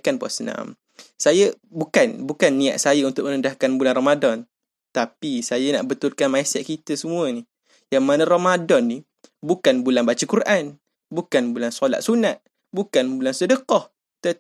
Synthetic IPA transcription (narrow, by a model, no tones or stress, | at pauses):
kanpɔa̰səna̰m | sajəbukanbukanːia̰ʔ̪̚sajaunt̪ʊk̚mənəndahkanbulanrɔmadɔn | t̪apisajana̰ʔbət̪ʊlkanmajsɛt̪̚kit̪əsəmuəni | jaŋmanə̃romadɔnːi | bukanbulanbat͡ʃəkuɾʔan | bukanbulansɔla̰t̪̚sunat̪̚ | bukanbulansədəkɔh | t̪ə